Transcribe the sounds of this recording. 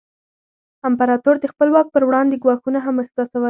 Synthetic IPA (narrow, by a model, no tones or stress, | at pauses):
ampaɾɑt̪oɾd̪əxpəlwɑk̚pəɾwɽɑnd̪eɡwɑxunaɦaməxzɑsawə